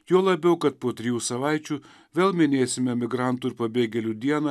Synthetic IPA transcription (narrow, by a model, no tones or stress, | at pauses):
joːlˠɐbʲɛʊkɐt̪̚poːt̪ʲɾʲɪjuːsɐʋɑˑɪt͡ʃʲuː | ʋʲeːlˠmʲɪnʲeːsʲɪmʲɛmʲɪɡɾɑnt̪uɪɾpɐbʲeːɡʲɛlʲuːd̪ʲiɛnɐ